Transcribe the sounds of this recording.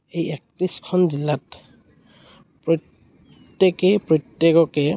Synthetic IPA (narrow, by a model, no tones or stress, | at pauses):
ejɛk̚tɹiskʰɔnzilːat | pɹɔ | tːekɛpɹɔtjekɔkɛ